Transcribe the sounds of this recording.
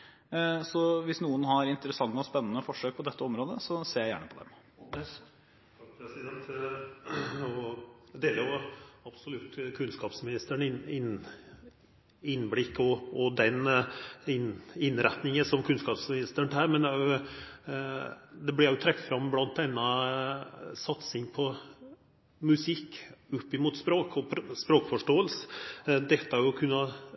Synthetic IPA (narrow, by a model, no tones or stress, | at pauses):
sɔʋɪsnuːənɦɑɾɪnt̪əɾəsɑŋːəɔspɛnːənəfɔʂøːk̚pʰɔd̪ɛt̪ʰːəɔmɾoːd̪əsɔseːjæɪjæ̰ːɳəpʰɔd̪ɛ̰m | kpʰɾɛsɪd̪ɛnt̪ | ɔd̪eːləɾjʊɑb̥sɔlʉt̪ːkʰʉnskɑːpsmɪnɪst̪əɳɪnɪn | ɪnːblɪkːɔɔd̪ɛn | ɪnɪnɾɛt̪nɪŋəsɔmkʰʉnskɑːpsmɪnɪst̪əɳt̪ʰæːɾmɛnæɾjʊ | d̪ɛblæɾjʊt̪ʰɾɛkt̪fɾɑmːblɑnt̪ɛnːɑ | sɑt̪sɪŋpʰɔ | mʉsɪkːʊpːɪmuːt̪spɾoːkʰɔpʰspɾoːkfɔʂʈoːəlsəd̪ɛt̪ːəhɑɾjʊkʰʉnːɑ